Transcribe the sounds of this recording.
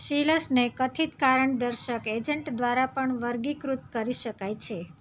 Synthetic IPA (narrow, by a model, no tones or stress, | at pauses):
ʃiləsnekət̪ʰit̪kaɾəɳd̪əɾʃəked͡ʒəɳʈd̪ʋaɾapəɳʋəɾɡikɾut̪̚kəɾiʃəkajt͡ʃʰe